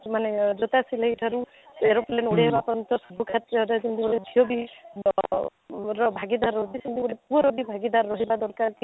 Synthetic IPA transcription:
maned͡ʒot̪asileɦiʈʰaɾu | eɾɔplenuɽebapɔnt̪ɔsɔbʱukʰat̪ɾɔɾesind̪iboleb̪ʱiobi | ɾɔbʱaɡid̪aɾɔɦut̪isind̪ibolepuɾɔbibʱaɡid̪aɾːɔɦibad̪ɔɾkaɾki

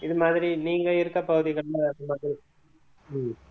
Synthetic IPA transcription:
ɪðɯmaːðɪɾiniːŋɡɐɪɾɯkːɐpɐɣɯðɪɣɐɭɯnaɪðɯmaːðɪɾi | m

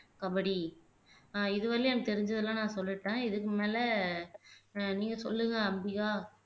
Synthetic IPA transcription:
kɐbɐɽi | ɪðɯʋɐlːiɐnːɐt̪ɛɾɪɲd͡ʒɐðɯlːãːnãːsɔlːɪʈːẽːɪðɯk̬ːɯmeːlɛ | niːŋɡɐsɔ̰lːɯŋɡɐɐmbiɣaː

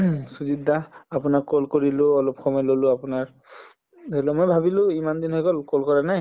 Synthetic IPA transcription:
suzidːaapunakːolkoɹilʊɔlɔpxʰɔmɔjlolʊapunaɹ | delɔmojbʱabilʊ̃imand̪inɦɔjkɔlkolkɔɹanaj

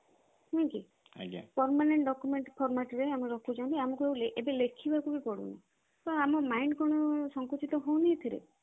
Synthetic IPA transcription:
hũkḭ | pɔɾmaneɳʈɖɔkumeɳʈpʰɔɾmaʈɾeameɾɔkʰud͡ʒaw̃nt̪iamɔkuewleʔebelekʰibʱakukikɔɽṵni | t̪ɔamɔmajɳɖkɔɽ̃ɔsɔŋkot͡ʃit̪ɔɦõw̃nit̪ʰiɾḛ

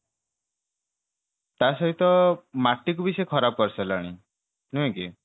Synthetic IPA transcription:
t̪asɔɦit̪ɔmaʈːik̬ubisɔekʰɔɾab̚kɔɾsɛlaɽ̃i | nũɦẽki

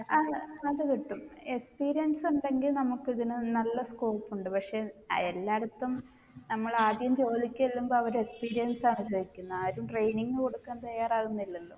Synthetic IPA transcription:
ɐɐðɨkiʈːumekspiːɾijɐnsuɳɖe̞ŋɡilnɐmukːiðinɨnɐlːɐskoːpːuɳɖɨpɐkʂe̞elːaːɽɐt̪ːum | nɐmːɐɭaːd̪jɐmt͡ɕo̞ːd̪ikʲːɐɐlːumboːɐʋɐɾekspiːɾijɐnsɐnusɐʋikʲːunːaːɾumʈrejniŋːɨko̞ɽukːaːnt̪ɐjːaːraːɣunːilːɐlːo̰ː

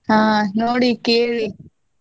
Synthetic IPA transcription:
ɦãːnoːɽiːkeːɾi

